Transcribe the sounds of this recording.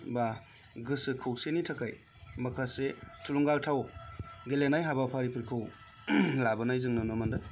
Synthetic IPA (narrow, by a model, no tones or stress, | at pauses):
ba | ɡɯsɯkʰɯwsenitʰakaj | makʰasetʰuluŋɡaltʰawɡelenajɦabapʰaɾipʰɯɾkʰɯw | labɯnajzɯŋnɯnɯmandɯ